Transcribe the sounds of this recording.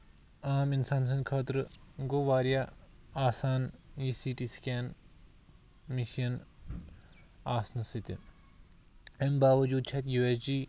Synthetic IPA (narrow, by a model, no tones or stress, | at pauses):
aːminsaːns̬ɐ̃nkʰɐːt̪ɾɨɡoʋaːɾjaː | aːsaːnjisiːʈiskʲɛːn | miʃiɐn | aːsnɨsit̪i | embaːʋɐd͡ʒuːd̪̚t͡ʃʰɐt̪juːesd͡ʒiː